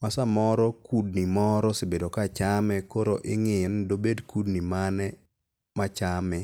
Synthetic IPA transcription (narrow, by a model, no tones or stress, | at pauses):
masamɔɾɔkud̚nimɔɾɔsɪbedokat͡ʃamɛkoɾoʔɪŋɪndobedkudnimanɛ | mat͡ʃamɛ